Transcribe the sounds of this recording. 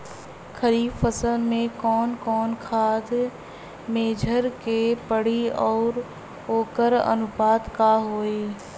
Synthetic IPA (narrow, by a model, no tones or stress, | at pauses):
xʰəɾiːbfəsəlmẽkɔːnkɔːnkʰaːd̪ʱ | meːd͡ʒʱəɾkepəɽ̤iɔːɾ | oːkəɾɐ̰nʊpaːt̪kaɦoːeː